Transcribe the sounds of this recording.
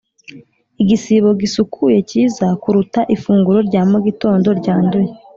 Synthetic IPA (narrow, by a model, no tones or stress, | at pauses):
iɡisiβo̞ɡisukʰuje̞ciːzakuɾutaʔifuːŋɡuɾo̞ɾɟaːmoɡito̞ːndo̞ɾɟaːnduje